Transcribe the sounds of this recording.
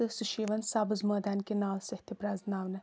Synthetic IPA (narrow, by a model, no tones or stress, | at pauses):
ɨsuʃiːʋɐnsaːbɨzmɐːd̪aːnkenaːlsɐht̪ʰipɾaːznaːʋnɨ